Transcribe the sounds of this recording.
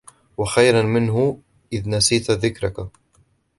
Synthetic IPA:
waxajɾanmɪnɦʊ | ʔɪðnasiːt̪ðɪkɾaka

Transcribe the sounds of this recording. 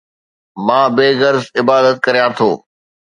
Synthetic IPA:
mãːbeːɡəɾzɪbaːd̪ət̪̚kɐɾijãt̪ʰo̰ː

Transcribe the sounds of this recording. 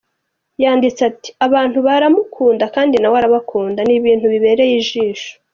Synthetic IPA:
jaːndit͡seati̥aβaːn̥huβaɾamukʰuːndakaːndinawaɾaβakʰuːndaniβiːn̥huβiβe̞ːɾe̞jiʒiːʃo̥

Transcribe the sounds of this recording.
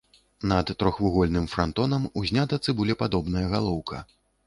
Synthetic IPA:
nɐt̪ːɾɔxvuɣɔlʲnɨmfɾant̪ɔnɐmuzʲnʲat̪ɐt̪sɨbulʲɛpad̪ɔbnɐjɐɣalˠɔwkʰɐ̰

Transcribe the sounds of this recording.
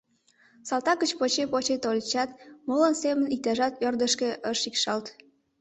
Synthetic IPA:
sɑlt̪ɑkət͡ɕpot͡ɕepot͡ɕet̪olʲt͡ɕɑt̪molənsemənit̪æʒɑt̪ørd̪əʃkeʔəʃikʃɑlt̪

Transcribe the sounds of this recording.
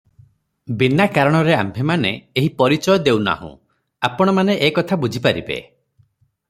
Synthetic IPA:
binakaɾɔɽ̃ɔɾeambʱemaneːɦipɔɾit͡ʃɔjɔd̪ewna̰ɦṵ̃ | apɔɽ̃ɔmaneʔːkɔt̪ʰabud͡ʒʱipaɾḭbḛ

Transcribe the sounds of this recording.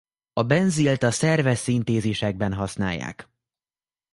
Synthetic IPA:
ɒbɛnzilt̪ɒsɛrvɛsːint̪eːzeːʃɛɡ̚bɛnɦɒsna̰ːjːa̰ːk

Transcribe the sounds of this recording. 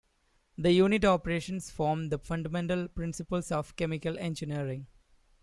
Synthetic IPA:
d̪əjuːnɪʈɔːpəɾeːʃə̃nsfɔːɾmd̪əfʌ̃ɳɖəmɛ̃ɳʈəlpɾɪ̃nsɪpəlsɔːʋkemɪkəlẽnd͡ʒɪniəɾɪ̃ŋ

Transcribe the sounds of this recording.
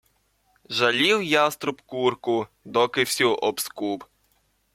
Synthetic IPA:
ʒɐlʲiwjast̪ɾʊpkurkʊd̪ɔkɪwsʲuʔɔbskup

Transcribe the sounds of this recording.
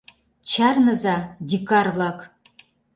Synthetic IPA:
t͡ʃʰarnəzad̪ʲikarvlˠɑk

